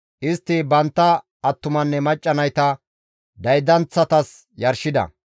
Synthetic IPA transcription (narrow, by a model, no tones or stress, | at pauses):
ʔɪst̪ːɪbɐnt̪ːɐː | t̪ːʊmɐnːɛmɐt͡ʃʼːɐnɐjt̪ɐ | d̪ɐjd̪ɐnt͡sːɐt̪ɐs | jɐɾʃɪd̪ɐ̰